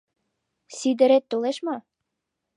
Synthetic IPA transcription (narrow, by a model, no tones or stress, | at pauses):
sid̪ə̆ɾet̪ːoleʃmɑ